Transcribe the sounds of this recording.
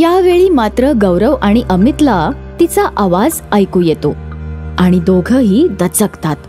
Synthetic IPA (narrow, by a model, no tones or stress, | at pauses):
jaʋeɭiːmat̪ɾəɡəwɾəʋaɽ̃iʔəmit̪la | t̪it͡saʔaʋad͡z | əjkuːjet̪oaɽ̃id̪oɡʱəɦiːd̪ət͡səkt̪at̪